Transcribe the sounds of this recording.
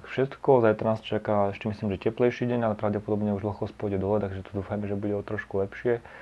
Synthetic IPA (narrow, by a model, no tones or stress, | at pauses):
kfʃɛt̪kɔzajɛt̪ɾnaːst͡ʃakaɛʃcɛmisliːmʒɛcɛplɛjʃiːɟɛɲalɛpɾaʊɟɛpɔd̪ɔbɲɛuʒl̩xkɔspɔɟɛd̪ɔlɛt̪aɡʒɛt̪ɔ̥d̪uːfajmɛʒɛbuɟɛɔt̪ɾɔʃkulɛpʃɪɛ